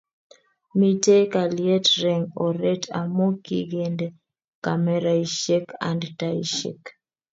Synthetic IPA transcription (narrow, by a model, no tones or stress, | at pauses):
mitekaliɛtɾɛŋɔɾɛtʰa̰mokiɡɛndɛ | kamɛɾaiʃɛka̰ndtaiʃɛ̰k